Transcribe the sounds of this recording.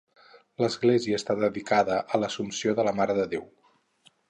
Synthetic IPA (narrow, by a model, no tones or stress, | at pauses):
ləzɣleziəːst̪aðəðikaðəʔələsumsioðələmaɾəðəðew